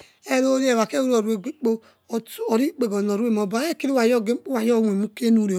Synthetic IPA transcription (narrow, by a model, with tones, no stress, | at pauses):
e˦ɾo˦ɾe˦˨wa˨ke˦u˦ɾo˨ɾu˨˦e˨ɡ͡bi˦k͡po˦˨ | ɔ˨ɾi˦k͡pe˨ɡo˨no˨ɾu˦e˦˨m˨o˨ba˦e˦˨ki˦ɾi˦wa˨jɔ˦ɡe˦k͡pwa˨jɔ˦˨we˨mu˦ke˦nu˦˨ɾe˨